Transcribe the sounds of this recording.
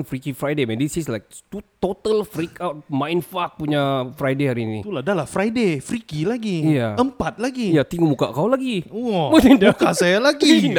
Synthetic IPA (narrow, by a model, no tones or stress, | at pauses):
nfɾikifɾajdemɛ̃ndisislajk̚t̪ut̪ot̪əlfɾikʰaʊt̚mãjnfak̚puɲafɾajdehaɾinḭt̪uladalafɾajdefɾikilaɡijaəmpat̪̚laɡijat̪iŋumuka̰ʔkawlaɡiɔmat̪ɛnmukasajalaɡid